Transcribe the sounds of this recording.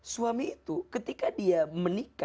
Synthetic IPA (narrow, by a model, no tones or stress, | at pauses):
suamiːt̪ukət̪ikadiamənika